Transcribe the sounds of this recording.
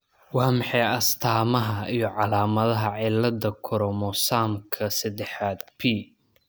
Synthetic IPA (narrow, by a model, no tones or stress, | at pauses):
wɑːmɑħɛjɐst̪ʰaːmɐɦɐijɞʕɑlaːmɐðɐɦɐʕɪlːɐd̪ɐkʰɔɾɔmɔsaːmkʰɐsɐd̪ɛħaːd̪̚pʰiː